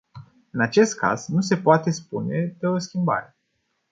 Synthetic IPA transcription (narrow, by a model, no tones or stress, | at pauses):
ɨnat͡ʃe̞st̪̚kʰa̰z̥nuse̞poat̪e̞spune̞d̪eoskʲimba̰ɾe̞